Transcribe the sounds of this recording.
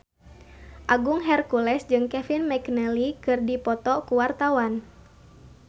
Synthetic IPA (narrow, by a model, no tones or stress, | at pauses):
ʔaɡuŋɦɛrkulɛsd͡ʒɨŋkɛfinmɛknɛlikɨrdipɔt̪ɔkuwart̪awan